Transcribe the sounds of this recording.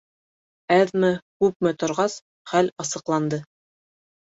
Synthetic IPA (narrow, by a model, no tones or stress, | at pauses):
æðmɘkʉp̚mɘt̪ŏɾʁɑs | χælʲɑsɤ̆qlˠɑnd̪ɤ